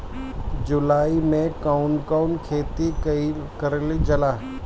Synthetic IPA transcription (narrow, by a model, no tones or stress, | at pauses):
d͡ʒʊlaːimẽkaːʊnkaʊnkʰeːt̪ikkɐɾlid͡ʒɐlaː